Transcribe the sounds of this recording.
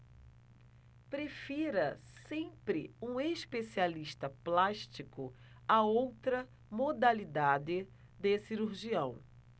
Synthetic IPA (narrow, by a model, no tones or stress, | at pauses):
pɾefiɾɐsẽpɾɪũespesialiʃt̪ɐplaʃt͡ʃikʊ | aowt̪ɾɐ | mod̪alid̪ad̪ɪ | d̪esiɾuɾʒiɐ̃w̃